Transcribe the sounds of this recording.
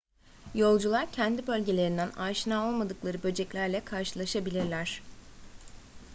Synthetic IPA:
jo̞lˠd͡ʒulˠaɾcʰɛnd̪ibø̞lʲɟe̞lʲe̞ɾind̪ænaːʃɯnaːo̞lˠmad̪ɯklˠaɾɯbø̞d͡ʒɛclʲæɾlʲɛkʰaɾʃɯlˠaʃabilʲiɾlʲæɾ̥

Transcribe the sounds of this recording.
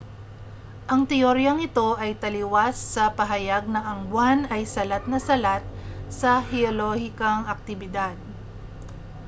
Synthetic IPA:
ʔɐŋt̪ɛoɾjɐŋɪt̪o̞ʔɐjt̪ɐlɪwasːɐpɐɦɐjaɡ̚nɐŋɐŋɡwanɐjsɐlat̪̚nɐsɐlat̪̚sɐhɛolohɪkɐŋɐk̚t̪ɪbɪd̪ad̪̚

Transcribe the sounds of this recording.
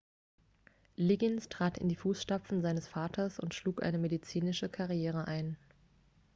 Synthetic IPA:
lɪɡɪnstʁ̥aːtɪ̰ndiːfuːsʃtap͡fn̩zaɪnəsfaːtʰɐsʊ̰ntʃluːkʔa̰ɪnəmedit͡siːnɪʃəkʰaʁjeːʁ̞əʔaɪn

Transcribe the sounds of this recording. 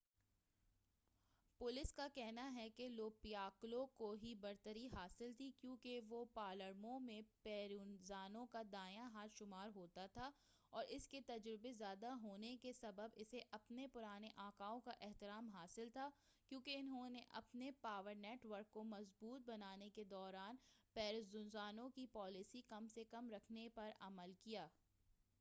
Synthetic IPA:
pʊlɪskakɛɦnaɦɛkeloːpijaːklõkoɦibɐɾt̪əɾiɦaːsɪlt̪ʰikjũːkeʋopaːləɾmõmẽpɛːɾuːnzaːnõkad̪aːjãɦaːt̪ʃʊmaːɾɦoːt̪at̪ʰa | ɔːɾɪsket̪ɐd͡ʒɾɪbezjaːd̪aɦoːnekesɐbəbɪseʔɐpnepʊɾaːneʔãːkaːõkaʔɛɦt̪ɪɾaːmɦaːsɪlt̪ʰaː | kjõːkeɪnɦõneʔɐ̰pnepaːʋəɾneːʈʋəɾkːomɐzbuːt̪̚bɐnaːneked̪ɔːɾaːnpɛːɾɪzzʊnzaːnõkipɔːlɪsikɐmsekɐmɾɐkʰnepɐɾɐ̰məlkijaː

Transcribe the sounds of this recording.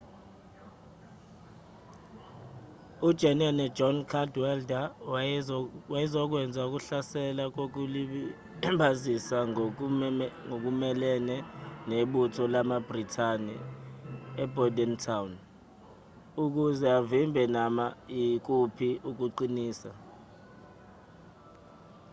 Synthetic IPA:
ud̥ʒ̥ʱɛnɛnɛ̥d͡ʒɔnkʰadwɛlda | wajizɔk̬wɛnd͡zʱauk̬uɬasɛlak̬ok̬uli | ɓazisa | ŋok̬umɛlɛnɛneɓutʰɔlamabritʰanɛ̰ | ɛbʱɔdɛntʰawn | uk̬uzɛavimbʱɛnamaik̬upʰiʔuk̬uǃiniːsa̰

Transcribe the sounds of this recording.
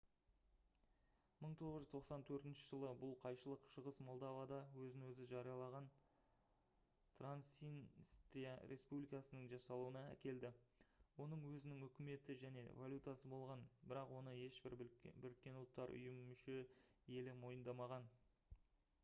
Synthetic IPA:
məɴt̪ʰo̞ʁəʒʏzt̪ʰoqsɑnt̪ʰɵɾt̪ɪnʃɪʒəlˠəbʊlˠqʰɑjʃəlˠəqʃəʁəsmo̞lˠd̪ɑvad̪ɑwɵzɪnwɵzɪʒɑɾijɑlˠɑʁɑn | t̪ʰransinst̪ɾijaɾʔe̞spublijkɑsənəɴʒɑsɑlˠuənɑæ̰kʲe̞ld̪ɪwo̞nəɴwɵzɪnɪŋɵkʲɪme̞t̪ɪʒæne̞̰valʲjut̪ɑsəbo̞lˠʁɑnbɪɾɑqwo̞nəje̞ʃbɪɾbɪɾkʲːe̞nʊlˠt̪ːɑɾʔʊ̰jəmːʏʃe̞je̞lɪmo̞jənd̪ɑmɑʁɑn

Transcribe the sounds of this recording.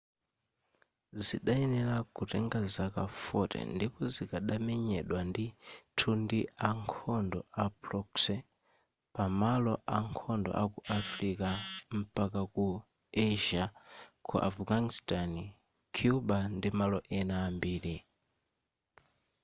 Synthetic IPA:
zḭɗaɛnɛlakutɛŋɡazakafɔtɛ̰ndipɔzikaɗamɛɲɛɗwanditʰundiaŋkʰɔndɔapɾɔksɛ | pamalɔʔaŋkʰɔndɔ̰ʔakuʔafɾikam̩pakaku | ɛʒakʰṵʔafɡanistan | kʰjubandimalɔʔɛnaːmbiːɾi

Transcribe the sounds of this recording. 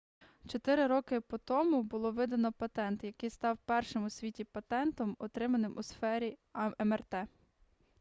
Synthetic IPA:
t͡ʃɔt̪ɪɾɪɾɔkɪpɔt̪ɔmʊbʊlˠɔʋɪd̪ɐnɔpɐt̪ɛnt̪jɐkɪjst̪ɑwpɛrʃɪmʊsʲʋʲitʲipɐt̪ɛnt̪ɔmɔt̪ɾɪmɐnɪmʔʊsfɛɾʲiɛmɛrt̪ɛ

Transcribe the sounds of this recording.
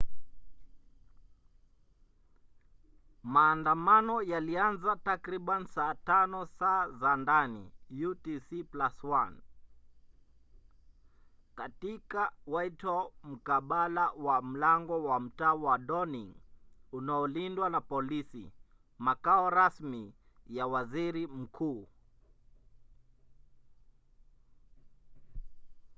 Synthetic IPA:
maːndamanɔjalianzatakɾiɓansaːtanɔsaːzandanḭjutisiplaswan | katikawaitɔm̩kaɓalawam̩laŋɡɔwam̩taːwaɗɔniŋunaɔlindwanapɔlisḭ | makaɔɾasmi | jawaziɾim̩kʰuː

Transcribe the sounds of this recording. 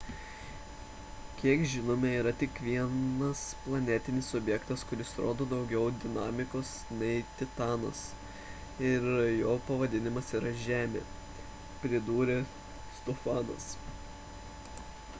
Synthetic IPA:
kʲiɛkʒʲɪnoːmʲɛiːɾɐt̪ʲɪkʋʲiɛnɐsplˠɐnʲɛt̪ʲɪnʲɪsɔbʲjɛkt̪ɐskʊɾʲɪsɾo̰ːd̪oːd̪ɒʊɡʲɛʊd̪ʲɪnɑːmʲɪkoːsnʲɛɪt̪ʲɪt̪ɑːnɐ̰s | ɪɾjoːpɐʋɐd̪ʲɪnʲɪmɐsiːɾɐʒʲæːmʲḛː | pʲɾʲɪd̪uːɾʲe | st̪ofɑːnɐ̰s

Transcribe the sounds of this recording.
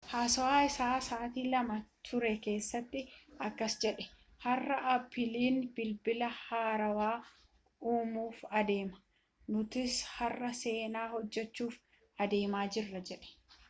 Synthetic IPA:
haːsɔwaːɪsaːsaːt̪iːlɐmɐt̪ʰʊɾɛke̞ːsːɐt̪ːɪɐkːɐsd͡ʒɛᶑɛ̥ | hɐrːɐʔɐpːɪliːnb̥ɪlbɪlɐhaːɾɐwaː | uːmuːfɐd̪e̞ːmɐ̥ | nʊt̪ɪshɐrːɐse̞ːnaːhɔd͡ʒːɛt͡ʃːuːf | ɐd̪e̞ːmaːd͡ʒɪrːɐd͡ʒɛᶑɛ̥

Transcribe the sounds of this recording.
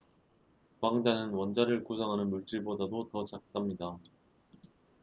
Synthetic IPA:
kwaŋd͡ʑanɯnwʌnd͡ʑaɾɯɭkusʰaŋɦanɯnmuɭt͡ɕ͈iɭbodadotʌt͡ɕak̚t͈amɲida

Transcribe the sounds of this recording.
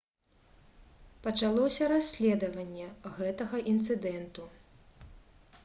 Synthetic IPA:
pɐt͡ʂalˠɔsʲɐɾasʲlʲɛd̪ɐvɐnʲːɛɣɛt̪ɐɣɐʔint̪sɨd̪ɛnt̪u

